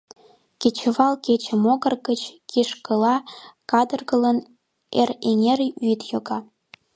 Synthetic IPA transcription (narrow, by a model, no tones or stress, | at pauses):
ket͡ɕəβɑlket͡ɕə̆moɣərɣət͡ɕkiʃkəlɑkɑd̪ərɣələn | ereŋeɾyt̪joɣɑ